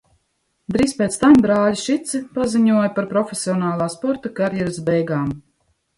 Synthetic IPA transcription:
d̪ɾiːspʲeːt̪st̪ambɾaːlʲiʃit̪sipaziɲuɔjpaɾpɾɔfʲesʲiɔnaːlˠaːspɔɾt̪akaɾjɛɾsbɛjɡaːm

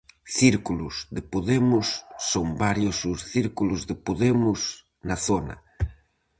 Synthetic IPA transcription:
θiɾkulʊsðɪpoðemʊsːoŋbaɾjʊsʊsθiɾkulʊzðɪpoðemʊs | nɐθonɐ̰

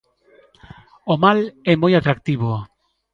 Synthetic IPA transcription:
omalɛmojat̪ɾak̚t̪iβ̞o

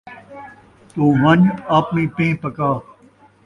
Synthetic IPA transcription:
t̪oːʋɐnaːpmĩːpẽːpɐkaː

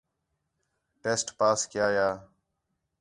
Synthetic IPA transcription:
ʈeːsʈpaːskjaːjaː

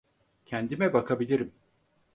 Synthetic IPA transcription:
cʰɛnd̪imɛbakʰabilʲiɾim

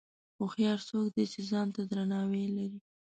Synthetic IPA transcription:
xoxjɑɾsokd̪et͡ʃezɑnt̪ad̪ɾanɑwelaɾi

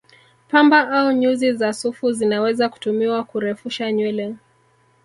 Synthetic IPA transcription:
pambaʔauɲuzizasufuzinawɛzaku̥tumiwakuɾɛfuʃaɲwɛlɛ

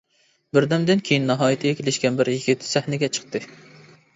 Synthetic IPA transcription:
bɪɾd̪ɛmd̪ɪnkʲʰejinːɑɦɑːjit̪ʰɪɡʲɛkʲʰelɪʃkʲɛnbɪɾjiɡʲɪt̪ʰːɪ̥sæhnɪɡʲɛt͡ʃʰə̥q̚t̪ɨ

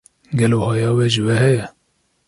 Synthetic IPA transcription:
ɡɛloːhɑːjɑːwɛʒɨwɛhɛjɛ

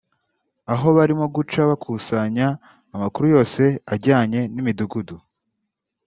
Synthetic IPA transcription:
aɦo̞βaɾimoɡut͡ʃaβakʰuːsaɲaː | makuɾujo̞ːse̞aɾɟaːɲe̞nimiduɡudu

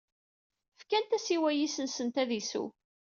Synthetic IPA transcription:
fkænt̪æsiwæjisənsənt̪æðisṵ

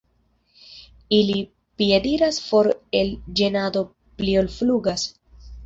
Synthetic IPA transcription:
ili | piediɾasfoɾe̞ld͡ʒenado̞ | pliolfluɡas

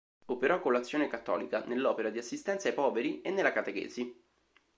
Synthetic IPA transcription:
opeɾɔkːolːat̪sːjoːnekat̪ːɔ̰ːlikanelːɔːpeɾad̪iasːist̪ɛnt̪sajpɔːveɾienːelːakat̪ekḛːzi

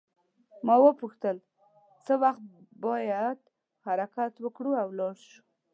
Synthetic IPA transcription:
mɑwəpuxt̪əl | t͡səwaxt̪̚ | bɑjad̪ | haɾakat̪wəkɽuawlɑɽʃu̥

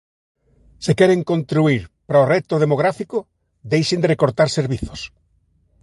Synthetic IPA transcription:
sɪkɛɾeŋkont̪ɾuiɾpɾaorɛt̪oð̞emoɣ̞ɾafikʊ | d̪ejʃɪnd̪erekoɾt̪aɾseɾβiθo̥s

